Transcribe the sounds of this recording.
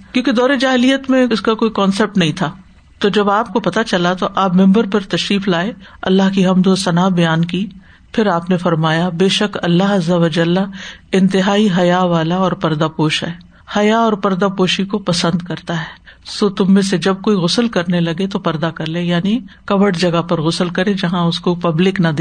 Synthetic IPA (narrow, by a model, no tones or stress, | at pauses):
kjõːked̪ɔːɾed͡ʒaːɦɪlijət̪mẽɪskakoːikɔːnsep̚ʈnɐɦĩt̪ʰaː | t̪od͡ʒɐbaːp̚kopɐt̪at͡ʃɐlat̪oʔaːpmɛ̃mbəɾpɐɾt̪ɐʃɾiːflaːeɐ̰lːaɦkiɦɐmd̪osɐnaːbɐjaːnki | pʰɪɾaːpnefɐɾmaːjabeːʃɐkɐlːaɦɐzːɐʋɐd͡ʒɐlːaɪ̃nt̪ɪɦaːiɦɐjaʋaːlaɔːɾpɐɾd̪apoːʃɦɛ̰ː | hɐjaɔːɾpɐɾd̪apoːʃikopɐsə̃nd̪kɐɾt̪aɦɛːsoːt̪ʊmːẽsed͡ʒɐb̚koːiɣʊsəlkɐɾnelɐɡet̪opɐɾd̪akɐɾlẽːjaːnikɐʋəɖd͡ʒɐɡapɐɾɣʊsəlkɐɾẽd͡ʒɐɦãʊskopɐblɪknɐd̪eː